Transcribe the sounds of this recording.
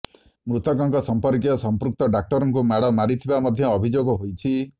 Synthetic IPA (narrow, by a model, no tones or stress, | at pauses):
mɾut̪ɔkɔŋkɔsɔmpɔɾkijɔsɔmpɾuk̚t̪ɔɖak̚ʈɔɾɔŋkumaɽɔmaɾit̪ʰibamɔd̪ʱjɔːbʱid͡ʒoɡɔɦojt͡ʃʰi